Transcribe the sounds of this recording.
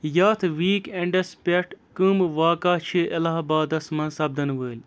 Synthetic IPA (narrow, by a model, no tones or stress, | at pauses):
jaːt̪ʰʋiːkeɳɖɐspʲeʈkɨmʋaːkaːt͡ʃʰiʔɐlaːɦbaːd̪ɐsmɐ̃nsɐb̚d̪ɐnʋəːlʲ